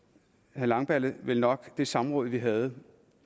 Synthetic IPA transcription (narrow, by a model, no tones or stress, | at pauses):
hælɑ̈ŋb̥æləʋe̝lnɒ̽ɡ̥d̥e̝sɑ̈mʁɔ̽ðˠʋiɦæð̞̩ˠ